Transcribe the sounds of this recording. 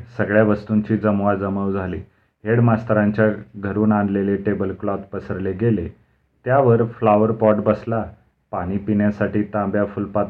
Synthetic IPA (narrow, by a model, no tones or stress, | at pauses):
səɡɭjaʋəst̪uɲt͡ɕiːd͡zəmʋad͡zəməʋd͡zʱaliː | ɦeɽmast̪ɾaɲt͡ɕjaɡʱəɾuːnand̪leleʈebəlklɔt̪pəsəɾleɡele | t̪jaʋəɾflaʋəɾpɔʈbəsla | paɽ̃iːpinjasaʈiːt̪ãmbjafulpat̪